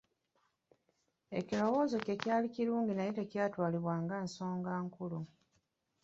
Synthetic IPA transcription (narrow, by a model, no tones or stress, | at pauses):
e̞̰cilo̞wo̞ːzo̞cecjaːliciɾuːɲɟinajitacjaːtwaːliβwaːŋɡaːnso̞ːŋɡaːŋkulu